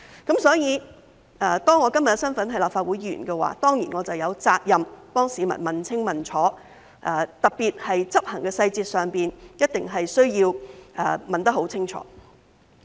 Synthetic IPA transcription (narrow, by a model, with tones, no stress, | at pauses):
kɐ˨˥msɔː˨˥jiː˨˧ | ʔt̪ɔː˥ŋːɔː˨˧kɐ˥mjɐ˨tkɛ˧sɐ˥nfɐ˨˥nɦɐ˨˥jlaː˨pfaː˧t̚wuː˨˥jiː˨˧jy̰˨˩nkɛ˧wa̰ː˨˥t̪ɔː˥ŋjḭː˨˩nŋɔː˨˧t͡sɐ˨˩wjɐ˨˧wt͡saː˧k̚jɐ˨mpɔː˥ŋsiː˨˧mɐ̰˨˩nmɐ˨nt͡sʰɪ˥ŋmɐ˨nt͡sʰɔː˨˥ | ʔɛː˨˩t̪ɐ˨k̚piː˨t̚hɐ˨jt͡sɐ˥p̚hɐ˨˩ŋkɛː˧sɐ˧jt͡siː˧t̚sœː˨ŋpiː˨njɐ˥t̚t̪ɪ˨ŋɦɐ˨jsɵ˥ɥjiː˧wɛ̰ː˨mɐ˨nt̪ɐ˥k̚ɦo˨˥wt͡sʰɪ˥ŋt͡ʃʰɔ̰ː˨˦